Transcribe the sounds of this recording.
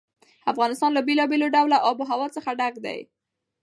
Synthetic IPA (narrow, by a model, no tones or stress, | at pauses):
afɣɑnɪst̪ɑnlabelɑbeloɖawlaʔɑboɦawɑt͡səxaɖaɡd̪a̰j